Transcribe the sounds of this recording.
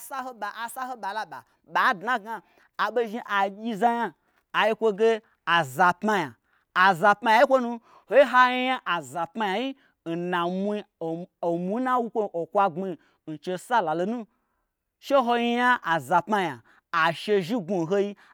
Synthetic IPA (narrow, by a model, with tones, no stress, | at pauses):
sa˦ho˦ɓa˨a˨sa˦ho˦ɓa˨la˦ɓa̰˨ | ɓa˨˦dna˦ɡaː˧˨ | ɓe˧ʒi˦ʔa˨jʲi˧za˧ja˧ | a˨ji˦kʷo˧ɡe˦ | a˨za˨pma˧ja˨ | a˨za˨pma˧ja˨ji˦kʷo˦nu˧ | ho˦i˦ɦa˦ji˦ja˦ʔa˨za˨pma˧ja˨ji˦ | n̩˨na˨mu˧˦o˨o˨mʷu˨˦na˦wu˦kʷo˦ʔo˨kʷa˧ɡ͡bi˧˨ | n̩˨t͡ʃe˧sa˦la˨lo˧nũ˦ | ʃe˦ɦo˧ji˦ja˦ʔa˨za˨pma˧ja˨ | a˨ʃe˧ʒi˦ɡu˧˨ɦo˦ji˦